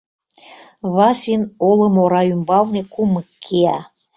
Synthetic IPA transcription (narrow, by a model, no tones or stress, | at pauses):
βɑsinolə̆moɾɑymbɑlnekuməkʰːeæ